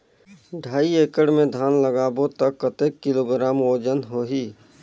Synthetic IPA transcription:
ɖʱaːieːkəɽmẽd̪ʱaːnləɡaːbot̪əkːət̪eːkːɪloːɡɾaːmoːd͡ʒənɦoːɦiː

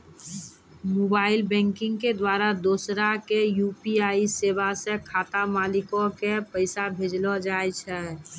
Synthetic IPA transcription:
moːbaːɪlbɛ̃ːŋkɪ̃ŋɡked̪waːɾad̪oːsɾakejupiaːiseːbasekʰaːt̪amaːlɪkõkepəɪsabʱed͡ʒlɔd͡ʒaːɛt͡ʃʰɛ

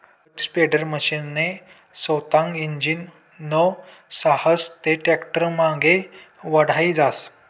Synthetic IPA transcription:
kspeɖəɾməɕinːe | səwt̪ãŋɡiɲd͡ʑiːnː | ə | sahəst̪eʈekʈəɾmãɡeʋəɽ̤aid͡zas

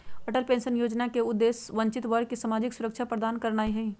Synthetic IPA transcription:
ɐʈəlpẽːnʃənjoːd͡ʒnakeʊd̪ːeːsʋə̃ɲt͡ʃɪt̪ʋəɾkisamaːd͡ʒɪksʊɾəkʃʰapɾəd̪aːnkəɾnaːiɦɐĩː

